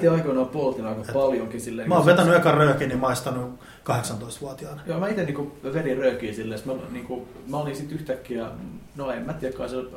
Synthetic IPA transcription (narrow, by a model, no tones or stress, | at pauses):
t̪eɑikoinɑːpuolt̪inɑikɑpɑljoŋkisilːeːŋkmæoʋet̪ænːyɑikɑrøːkinimɑist̪ɑnu | kɑheksɑnt̪oist̪ʋuɑt̪iɑnjoːmæit̪eniːŋkuʋerirøːkiːsilːesmæniːŋku | mæolinsit̪yht̪ækːiænoemːæt̪jekːɑisel